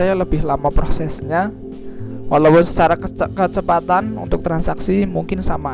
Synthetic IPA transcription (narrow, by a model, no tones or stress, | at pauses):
ajaləb̥ɪɦlamapɾosɛsɲa | walapʊnsə̥t͡ʃaɾakət͡ʃəpat̪anṵnt̪ʊk̚t̪ɾansaksimuŋkɪnsama